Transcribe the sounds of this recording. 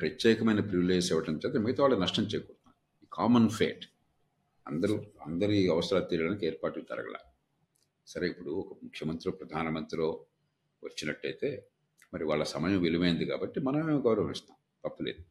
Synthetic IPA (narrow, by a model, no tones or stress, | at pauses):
pɾɐt̪ːɛːikɐmɐjnɐpɾiʋileːd͡ʒsɛʋɐʈɐmt͡ʃɛːt̪ɐmiɡɐt̪ɐʋaːɭːɐnɐʂʈɐmt͡ʃɛːjɐkɔːɾt̪unːa | iːkʰaːmɐnpʰeːʈ | ɐnd̪ɐɾoːɐnd̪ɐɾiɐʋɐsɾaːt̪iːɾɐɽɐnikeːɾpaːʈut̪ɐ̰ɾɐ̰ɡɐ̰la̰ː | sɐɾeipːuɽuɔkɐmukʰjɐmɐnt̪ɾiloːpɾɐd̪ʱaːnɐmɐnt̪ɾilo̞ː | ʋɐt͡ʃːinɐʈːɐjt̪e̞ː | mɐɾiʋaːɭːɐsɐmɐjɐ̃mʋiliʋɐjind̪ika̰ːbɐʈːimɐnɐmeːɡɐwɾɐʋɐmist̪aːm | p̪ɐpːuleːd̪u